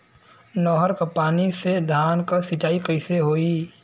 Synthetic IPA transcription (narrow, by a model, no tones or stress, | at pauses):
nɔːɦəɾkəpaːnised̪ʱaːnkəsit͡ʃaːikɐɪseɦoːiː